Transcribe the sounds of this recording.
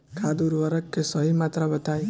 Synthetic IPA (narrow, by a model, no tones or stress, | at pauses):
kʰad̪uɾʋəɾəkːesɔɦimat̪ɾabət̪aj